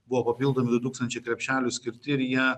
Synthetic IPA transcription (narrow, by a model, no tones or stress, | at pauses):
bʊʋoːpɐpʲilˠd̪oːmʲɪd̪ʊt̪uːkst̪ɐnʲt͡ʃʲɛɪkɾʲɛpʲʃʲæːlʲʊsʲkʲɪɾʲt̪ʲɪɪɾjiɛ